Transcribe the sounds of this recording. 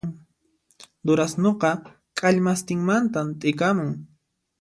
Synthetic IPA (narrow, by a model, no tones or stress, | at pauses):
d̪ʊɾasnoqɑ | kʼaʎmast̪ɪŋmant̪amt̪ʼɪkamʊŋ